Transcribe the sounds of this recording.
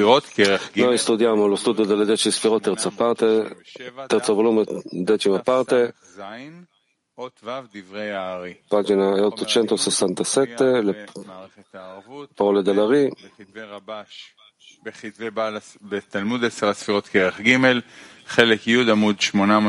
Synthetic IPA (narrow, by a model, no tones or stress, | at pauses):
iʁot̪keʁenawist̪ud̪jamolost̪ud̪jod̪eled̪et͡ʃisfiʁot̪ːeʁt͡sapaʁt̪e | t̪eʁt͡sablumed̪et͡ʃimapaʁt̪e | n | t̪vd̪ivʁejaʁipad͡ʒinaot̪ːot͡ʃent̪ososant̪aset̪ːele | paʁoled̪alaʁi | baʃ | beχit̪vebala | bet̪almud̪eseʁasfiʁo̞t̪keʁeχɡime̞l | χelekjud̪amud̪ʃmonam